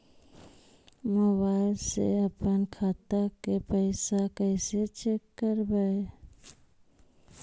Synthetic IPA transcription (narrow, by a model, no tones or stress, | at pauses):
məbaɪlsḛəpənkʰaːt̪akepəɪsakəɪset͡ʃekːəɾbəe